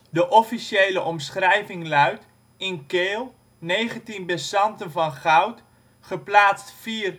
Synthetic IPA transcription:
dəʔɔfiʃejləʔɔmsχrɛjvɪŋlœɥt | ɪnkeːlˠ | nejχəntinbɛsɑntənvɑnχɑwt | χəplaːstfiːr

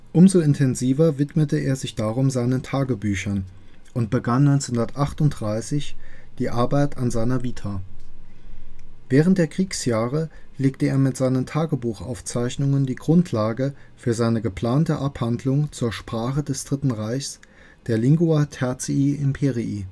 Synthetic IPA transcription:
ʔʊmzoɪntʰɛnziːvɐvɪtmətəeːɐzɪçd̥aːʁʊmzaɪnəntʰaːɡəbyːçɐn | ʔʊntb̥əɡanːɔʏnt͡sehʊndɐtʔaχtʊnt̚d̥ʁaɪsɪçd̥iːʔaɐbaɪtʰanzaɪnɐviːtʰa | vɛːʁ̞ənt̚d̥eːɐkʁ̥iːksjaːʁəleːk̚təeːɐmɪtz̥aɪnəmtʰaːɡəbuːχʔa̰ʊft͡saɪçnʊŋəndiːɡʁʊntʰlaːɡəfyːɐzaɪnəɡəpl̥aːntəʔaphandlʊŋt͡suːɐʃpʁ̥aːχədɛsd̥ʁɪtn̩ʁaɪçs | d̥eːɐlɪŋɡuatʰɛɐt͡siiʔɪmpʰeʁiʔi

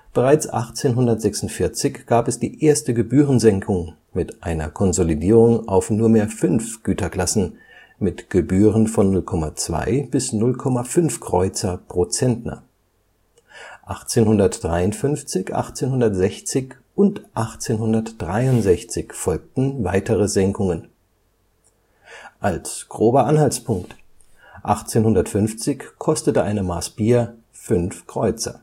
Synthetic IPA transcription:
b̥əʁaɪt͡sʔa̰χt͡seːnɦʊndɐtz̥ɛksʊntfɪɐt͡sɪçɡ̥aːpɛsd̥iːʔeːɐstəɡəbyːʁənzɛŋkʰʊŋ | mɪtʔaɪnɐ̰kʰɔnzolidiːʁʊŋʔa̰ʊfnuːɐmeːɐfʏnfɡ̥yːtʰɐkl̥asn̩ | mɪtɡ̥əbyːʁənfɔnːʊlkʰɔmat͡sv̥a̰ɪb̥ɪsnʊlkʰɔmafʏnfkʁ̥ɔʏt͡sɐpʁ̥ot͡sɛntna̰ | ʔaχt͡seːnhʊndɐtd̥ʁaɪʊntfʏnft͡sɪçʔa̰χt͡seːnhʊndɐtz̥ɛçt͡sɪç | ʔʊntʔaχt͡seːnhʊndɐtd̥ʁaɪʊntz̥ɛçt͡sɪçfɔlk̚tn̩vaɪtəʁəzɛŋkʊŋən | ʔalsɡ̥ʁoːbɐʔanhalt͡spʰʊŋkt | ʔaχt͡seːnhʊndɐtfʏnft͡sɪçkʰɔstətəʔa̰ɪnəmaːsb̥iːɐ | fʏnfkʁ̥ɔʏt͡sɐ̰

